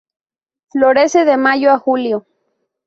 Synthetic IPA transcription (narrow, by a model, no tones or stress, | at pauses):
floɾeseðemaʝoaxuljo